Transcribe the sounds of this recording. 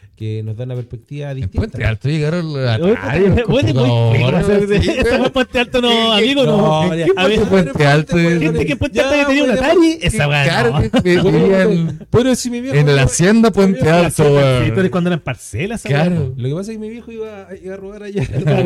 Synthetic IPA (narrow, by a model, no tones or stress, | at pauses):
kenozðaunapeɾspek̚t̪iβaðiemp̪ipwent̪ea̰lt̪ojeɣaɾoa̰ | pweðeooaseɾeet̪aepwent̪ealt̪onoamiɣonoeaep̬went̪ealt̪oxet̪ekempwenealt̪aket̪eniaunat̪aɾjeesaβalaɾoipweðɾoesimiβjeenlasjend̪apwent̪ealt̪oipeɾekwand̪oeɾaempaɾselasalaaɾoolokepas̬akemiβjexoiβaiβaroɣaɾaja